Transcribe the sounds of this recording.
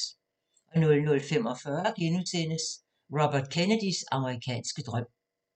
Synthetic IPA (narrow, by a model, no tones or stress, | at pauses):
ʔɒ̽nɔ̽lnɔ̽lfem̰ɒ̽fɶɐɡ̥enut͡sʰen̰əs | ʁɒb̥ɐd̥̚kʰenəd̥isɑ̈məʁikʰɛ̰ːnsɡ̥əd̥ʁœm̰